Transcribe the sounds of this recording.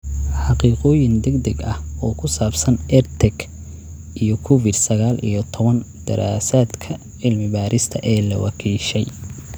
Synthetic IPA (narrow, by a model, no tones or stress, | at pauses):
ħɑqiːqɔːjɪnd̪ɛɡd̪ɛɡɐhɔːkʰʊsaːbsɐnʔɛrt̪ʰɛɡ | ʔijɔkʰʊfɪd̪sɐɣaːlḭjɞt̪ʰɔβɐn | d̪̥ɐ̰ɾʔa̰ːsaːd̪kʰɐ | ʕɪlmɪbaːɾɪst̪ʰɐʔɛːlɐ̰wɑ̰kʰiːʃɛj